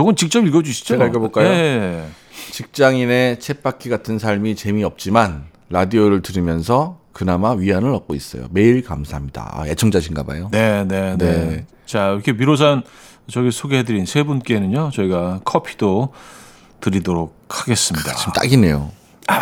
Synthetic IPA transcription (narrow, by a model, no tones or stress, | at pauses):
t͡ɕʌɡɯnt͡ɕik̚t͡ɕ͈ʌbiɭɡʌd͡ʑuɕʰi̥d͡ʑoaik͈ʌboɭk͈ajoe | t͡ɕik̚t͡ɕ͈aŋine̞t͡ɕʰe̞p͈ʰakʰiɡatʰɯnsʰaɭmit͡ɕe̞miʌp̚t͡ɕ͈iman | ɾadioɾɯɭtɯɾɯmjʌnsʰʌkɯnamaɥiɦanɯɭʌk̚k͈ois͈ʌ̰jo̰me̞iɭkamsʰaɦamɲida̰a̰et͡ɕʰʌŋd͡ʑaɕ̬ʰinɡa̰ba̰jonene̞ne̞ | t͡ɕaiɾkʰemiɾos̬ʰan | t͡ɕʌɡisʰoɡeɦedɯɾinsʰebunk͈e̞nɯɲot͡ɕʌiɡakʰʌpʰi̥do | tɯɾidoɾok̚ʰaɡe̞s͈ɯmɲida̰t͡ɕʰimt͈a̰ɡine̞̰jo̰